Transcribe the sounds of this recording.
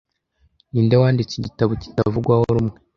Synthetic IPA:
niːndewaːndit͡siɟitaβoci̥tavuɡwahoɾumŋe

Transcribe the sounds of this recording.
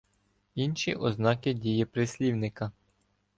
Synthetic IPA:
inʃiʔɔznɑkɪdʲijɛpɾɪsʲlʲiwnɪkɐ

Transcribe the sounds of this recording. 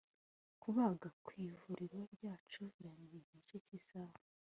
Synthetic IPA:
kuβaːɡakwiːvuɾiɾabɟaːt͡ʃuβiɾandimit͡ʃecisaβa

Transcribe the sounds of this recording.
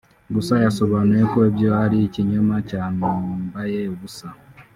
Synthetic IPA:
ɡusajaso̞βane̞koeβjohaɾiciɲomacaːnuːmbajeβusa

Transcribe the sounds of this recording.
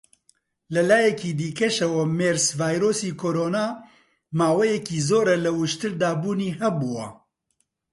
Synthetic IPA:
lɐlaːjɛkiːd̪iːkʰɛʃɐwɐmeːɾsvaːjɾoːsiːkʰoːɾoːnaː | maːwɛjɛkiːzoːɾɛlɐwʊʃt̪ɨɾd̪aːbuːniːɦɛbuwɐ̰

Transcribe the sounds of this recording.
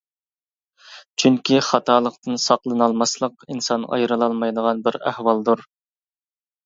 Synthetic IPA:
t͡ʃʰyŋkʲʰiχɑt̪ʰɑːlˠəqt̪ɨnsɑqlˠɨnɑlˠmɑslˠəqinsɑnɑ̰jɾɨlˠɑlˠmɑjd̪əʁɑnbɪɾæ̰hwɑlˠd̪uɾ

